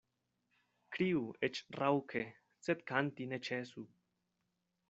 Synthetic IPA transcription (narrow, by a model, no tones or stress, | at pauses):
kɾiuet͡ʃrawkʰe | t͡set̪kant̪inet͡ʃesu